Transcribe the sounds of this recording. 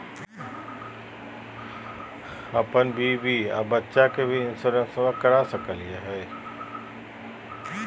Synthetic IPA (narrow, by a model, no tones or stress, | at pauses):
ɐpənbʱibʱia̰bətːʃakebʱiɪ̃nsʊɾə̃nsəmə̃kəɾasɐkəliaɦɛː